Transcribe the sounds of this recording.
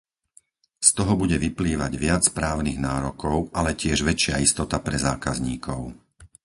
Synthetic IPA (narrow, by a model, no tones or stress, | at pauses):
st̪ɔɦɔbuɟɛʋipliːʋaɟʋɪat͡spɾaːʊniɣnaːɾɔkɔʊʔalɛcɪɛʒʋɛt͡ʃɪaist̪ɔt̪apɾɛzaːkazɲiːkʰɔʊ